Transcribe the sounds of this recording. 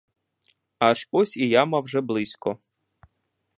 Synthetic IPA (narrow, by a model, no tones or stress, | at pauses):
aʃɔsʲijamɐwʒɛblˠɪsʲkɔ